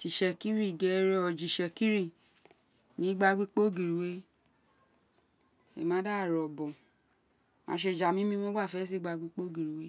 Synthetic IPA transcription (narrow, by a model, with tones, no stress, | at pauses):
ti˨ʃɛ˧ki˦ɾĩ˦˨ɡɛ˨˦ɾɛ˧˦ɔ˧˨d͡ʒi˨ʃɛ˧ki˦ɾi˦˨ | nĩ˨˦ɡ͡ba˧ɡ͡bi˦k͡po˦˨ɡi˨ɾi˨we˦ | ḛ˨mã˨˦da˦˨ɾɔ˨bɔ̃˨ | mã̰˨˦ʃ̬e˧˨d͡ʒa˨mĩ˦mĩ˦mɔ̃˦ɡ͡ba˦˨fɛ˨˦s̬i˦˨ɡ͡ba˧ɡ͡bi˦k͡po˦ɡi˨ɾi˨we˦